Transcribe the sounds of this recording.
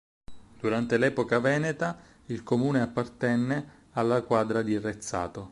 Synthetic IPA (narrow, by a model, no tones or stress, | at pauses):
d̪̥uɾant̪elɛpokavɛːnet̪a | ilkomuːneapːart̪ɛnːe | alːakwaːd̪ɾad̪iret̪sːa̰ːt̪o